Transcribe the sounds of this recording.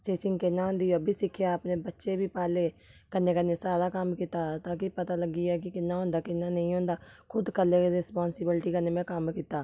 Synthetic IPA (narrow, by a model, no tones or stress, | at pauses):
sʈeːsɪŋɡkɪnːãːɦõːnd̪iːəbʱiːsɪkʰːjaəpneːbətːʃeːbʱiːpaːleːkənːeːkənːeːsaːɾaːkəmkit̪aːt̪ãːkɪpət̪aːləɡiːɛːkɪkɪnːaːɦõːnd̪aːkɪnːaːnəĩːɦõːnd̪aːkʰʊd̪kəlːeːɾɪspaːnsɪbɪlʈiːkəneːmɛ̃ːkəmkiːt̪aː